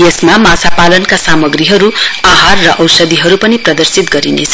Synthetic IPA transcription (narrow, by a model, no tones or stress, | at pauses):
jesmamat͡sʰapalʌnkasamʌɡriɦʌɾuaɦarːʌʔʌwsʌd̪iɦʌɾupʌniprʌd̪ʌrsit̪ɡʌɾinḛt͡sʰʌ